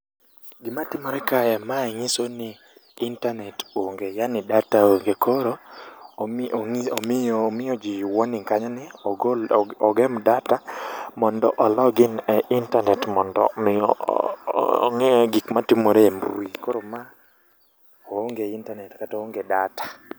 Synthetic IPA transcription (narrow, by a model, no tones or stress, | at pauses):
ɡɪmatɪmɔɾɛkajɛmaɛŋɪsonɪː | ntanɛtoŋɡejanɪdataoŋɡekʰoɾo | omːmɪjɔd͡ʒiwɔnɪŋkaɲɔnɪɡɔɡɛmdatamɔndɔʔɔlɔɡɪnɛʔintanɛtmɔndɔ̰mɪɔ̰ | ŋɛɡikmatɪmoɾemɾwikoɾoma | ooŋɡeintanɛtkataoŋɡedatḁ